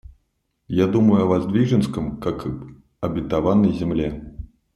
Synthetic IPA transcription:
jad̪uməjuɐvazd̪vʲiʐɛnskɐmkak | ɐbʲɪt̪avanɐjzʲɛmlʲɛ

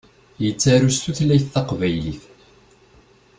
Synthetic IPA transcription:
jət͡sːæɾust̪uθlæjθːɑqvæjliθ

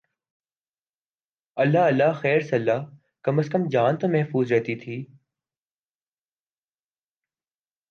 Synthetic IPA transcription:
ɐlːaɐlːaxɛːɾsɐlːaː | kɐməskəmd͡ʒaːnt̪omɛɦfuːzɾɛɦt̪it̪ʰiː

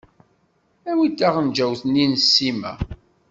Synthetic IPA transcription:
æwid̪aʁənd͡ʒæwθninsːimæ̰

